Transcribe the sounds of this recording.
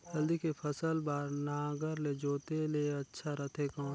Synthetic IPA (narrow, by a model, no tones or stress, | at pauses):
d͡ʒɐld̪ikepʰəsəlbaːɾnaːɡəɾled͡ʒoːt̪eleɐtːʃʰaɾɐt̪ʰekãː